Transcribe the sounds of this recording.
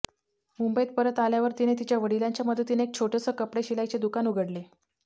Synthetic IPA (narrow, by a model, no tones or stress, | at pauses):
mumbəit̪̚pəɾət̪aljaʋəɾt̪inet̪it͡ɕjaʋəɽilaɲt͡ɕjaməd̪ʱət̪iːneek̚t͡ɕʰoʈəsəːkəpɽeɕilajt͡ɕed̪ukanuɡʱəɽle